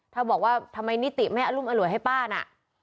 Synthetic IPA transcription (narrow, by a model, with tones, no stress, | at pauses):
t̪ʰaː˥˩bɔː˨˩k̚waː˥˩t̪ʰa˧mːa˧jni˦˥t̪i˨˩ʔma˥˩jʔa˧luː˥˩mʔa˧lu˩˦jɦa˥˩jpaː˥˩na̰˨˩ʔ